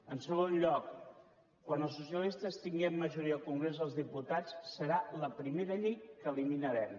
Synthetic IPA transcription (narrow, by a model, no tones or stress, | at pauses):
ənsəɣ̞onʎɔk | kːwanəlˠsus̬iəlist̪əst̪iŋɡɛmːəʒuɾiəːlˠkuŋɡɾezðəlˠzðiput̪at͡ssːəɾaləpɾimeɾəʎejkəliminəɾɛm